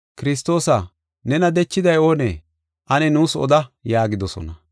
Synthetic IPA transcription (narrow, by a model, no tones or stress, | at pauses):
kɪɾɪs̬t̪o̞ːsɐ | nɛnɐd̪ɛt͡ʃːɪd̪ɐjo̞ːnḛː | ʔɐnɛnuːsɔ̰d̪ɐjaːɡɪd̪ɔsɔ̰nɐ